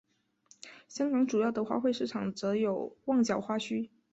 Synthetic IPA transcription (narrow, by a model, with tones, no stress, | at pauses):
ɕjɑ˥ŋkɑ˧˥ŋʈ͡ʂu˨˩jɑ˥˩ʊd̪ə˩xwa̰˥˧xwe˥˧ʂɻ̩˥˩ʈ͡ʂʰɑ˨˩ŋt͡sɤ˧˥jo˨˩ʊwɑ˥˩ŋt͡ɕjɑ˨˩ʊxwa˥ɕʰy˥